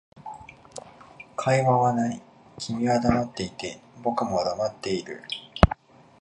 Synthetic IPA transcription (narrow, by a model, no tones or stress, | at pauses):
kʰaiβaβanai | kʲʰimʲiβad̪amat̪ːe̞it̪e̞bo̞kɯ̟mo̞d̪amat̪ːe̞iɾɯ̟̰